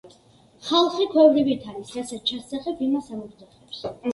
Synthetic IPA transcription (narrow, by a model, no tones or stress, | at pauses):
χalˠχikʰwɛvɾibit̪ʰaɾisɾasɛt̪̚t͡ʃʰasaχɛpʰimasauɾd̪zɔχɛps